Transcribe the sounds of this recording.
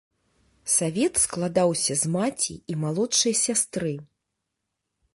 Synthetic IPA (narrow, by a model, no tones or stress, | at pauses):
savʲɛt̪sklˠad̪awsʲɐzmat͡sʲḭimalˠɔtʂɨjɐsʲast̪ɾɨ